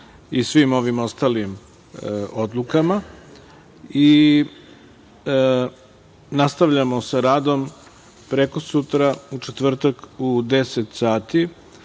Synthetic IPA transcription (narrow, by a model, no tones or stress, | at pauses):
isʋimo̞ʋimo̞st̪alim | od̪lˠukama | i | nast̪aʋʎamo̞saɾaːd̪o̞m | pɾeko̞sut̪ɾaut͡ʂet̪ʋr̩t̪akud̪e̞set̪saːt̪i